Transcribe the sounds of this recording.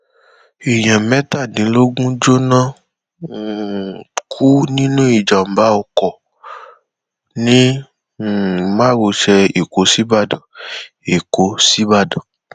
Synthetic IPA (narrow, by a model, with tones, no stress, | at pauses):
e˨j̃ɛ̃˨mɛ̃˦ta˦˨dĩ˨˦lo˦ɡũ˦d͡ʒo˦nã˦˨ | kʰu˦nĩ˦nũ˦i˦˨d͡ʒa˨m̩˨ba˨˦ɔ˧kɔ˨ | nĩ˦˨ | mã˦ɾo˧ʃɛ˧e˨ko˧˦si˦ba˦˨dã˨ | e˨ko˧si˦ba˦˨dã˨